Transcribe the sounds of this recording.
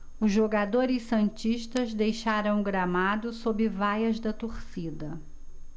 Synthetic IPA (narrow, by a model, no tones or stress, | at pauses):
ʊzʒoɡad̪oɾɪsːɐ̃nt͡ʃiʃt̪ɐzd̪ejʃaɾɐ̃w̃ɡɾamad̪ʊsobɪvajɐzd̪ɐt̪oɾsid̪ɐ